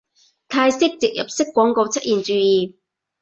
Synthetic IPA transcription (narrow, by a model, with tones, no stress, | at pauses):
t̪ʰaː˧jsɪ˥k̚t͡sɪ˨k̚jɐ̰˨p̚sɪ˥kːʷɔː˨˥ŋko˧wt͡sʰɐ˥t̚ʔiː˨˩nt͡ʃyː˨˧jiː˨˩